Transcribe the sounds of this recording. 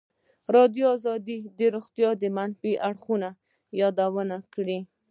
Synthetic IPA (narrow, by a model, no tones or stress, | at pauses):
ɾɑd̪juɑzɑd̪id̪əɾoɣt̪jɑd̪əmanfiʔaɽxuna | jɑd̪awənakɽi